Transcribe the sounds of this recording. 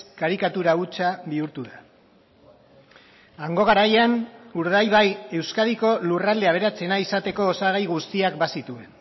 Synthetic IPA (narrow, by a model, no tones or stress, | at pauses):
kaɾikat̪uɾaut͡saβiuɾt̪uða | aŋɡo̞ɣaɾajanuɾðajβaje̞wskaðiko̞lurald̪e̞aβ̞e̞ɾat͡se̞naisat̪e̞ko̞ːsaɣajɣust̪iakbasit̪ue̞n